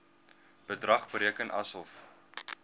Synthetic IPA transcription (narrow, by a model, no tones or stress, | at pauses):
b̥ədrɐχbəɾiəkənʔɐsɔlˠf